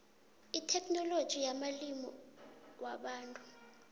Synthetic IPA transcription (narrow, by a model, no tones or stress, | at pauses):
itʰɛkʰʼnɔlod̥ʒ̥ʱijamalimiwaɓaːntʼu